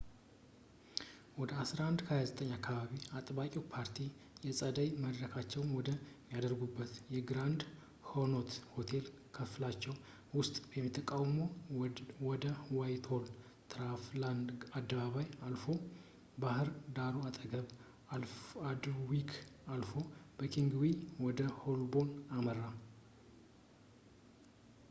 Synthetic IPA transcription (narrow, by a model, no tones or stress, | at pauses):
wɔd̪əasɾaand̪kʰəhajazət̪ʼəɲːakːaβaβiat̪ʼbakʼiwpʰaɾt̪ʰijɛsʼəd̪əjməd̪ɾəkʰat͡ʃːɛwnwɔd̪əmjad̪əɾɡubːət̪jɛɡɨɾand̪ | hono̞t̪ho̞t̪ʰe̞l | kʰəflat͡ʃːɛw | wʊst̪ʼbjɛmːit̪ʰːəkʼawmow | wɔd̪əwajt̪ʰol | t̪ʰɾafland̪ad̪ːəβaβajalfo̞ | bahɨɾd̪aɾuat̪ʼəɡəβ | ad̪wikʰalfo̞b̥əkʰiŋɡwiwɔd̪əho̞lbo̞naməɾːa